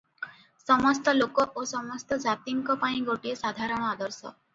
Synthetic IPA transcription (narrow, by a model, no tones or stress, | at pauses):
sɔmɔst̪ɔlokɔʔosɔmɔst̪ɔd͡ʒat̪iŋkɔpãĩɡoʈiesad̪ʱaɾɔɽ̃ɔad̪ɔɾsɔ̰